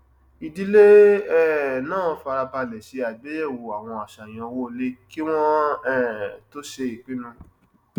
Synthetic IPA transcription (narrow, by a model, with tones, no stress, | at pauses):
i˨di˦le˦ɛ˦˨nãː˦˨˦fa˧ɾa˧pa˧lɛ˨ʃe˨˧˦a˨ɡ͡be˨˦jɛ˦˨wo˨a˨w̃ɔ̃˧a˨ʃa˨j̃ɔ̃˧wo˦˧le˦ki˦w̃ɔ̃˦ɛ˦˨to˦ʃe˧i˨k͡pĩ˨˦nũ˧